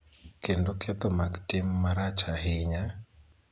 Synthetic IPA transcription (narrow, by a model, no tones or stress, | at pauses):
kendokʰet̪ɔmaɡtɪmːaɾat͡ʃaɦɪɲa